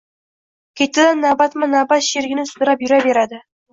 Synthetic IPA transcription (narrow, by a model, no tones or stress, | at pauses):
kʲʰet̪ːɪd̪anːɑbɑt̪mɑnɑbɑt̪ʃeɾɡʲɪnɪsu̥t̪əɾɑpjɵɾɑbeɾad̪ə